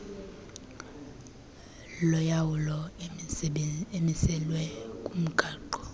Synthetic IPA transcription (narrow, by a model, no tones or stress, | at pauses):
lɔjawulɔ | emisɛlwɛkʼum̩ɡ̥ʱaːǃɔ